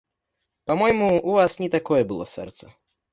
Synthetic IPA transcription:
pamɔjmuːvasnʲɛt̪akɔjɛbɨlˠɔ̰sɛ̰rt̪sɐ

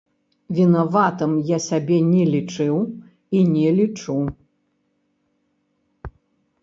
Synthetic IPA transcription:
vʲinavat̪ɨmjasʲabʲɛnʲɛlʲit͡ʂɨw | inʲɛlʲit͡ʂu

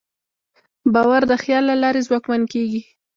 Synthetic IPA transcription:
bɑwaɾd̪əxjɑlːalɑɾezwɑkmankeɡi

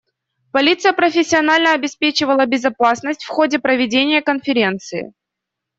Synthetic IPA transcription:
pɐlʲit̪sɨjəpɾəfʲɪsʲːɪɐnalʲnəɐbʲɪspʲet͡ɕɪvəlˠəbʲɪzɐpasnəsʲtʲfxodʲɪpɾəvʲɪdʲenʲɪjəkənfʲɪɾʲe̞nt̪sɨɪ̰

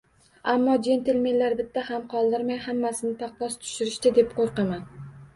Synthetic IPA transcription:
amːɒd͡ʒe̞nt̪ʰɪlme̞nlaɾbɪt̪ʰːahamqʰɒlˠd̪ɪɾmajhamːasɪnɪt̪ʰaqvɒst̪ʰʊ̥ʃɪɾɪʃt̪ɪd̪e̞p̚qʰoɾqɑman

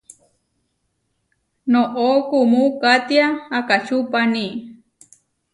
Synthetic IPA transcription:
noʔokumukat̪jaakat͡ʃupani

